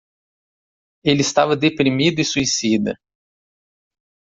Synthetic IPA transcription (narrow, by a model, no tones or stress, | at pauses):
elɪɪst̪avɐd̪epɾimid̪ʊisuisid̪ɐ̰